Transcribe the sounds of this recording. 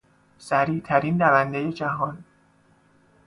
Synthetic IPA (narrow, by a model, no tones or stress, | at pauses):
sæɾiːt̪ʰæɾindævænd̪eje̞d͡ʒæɦɒn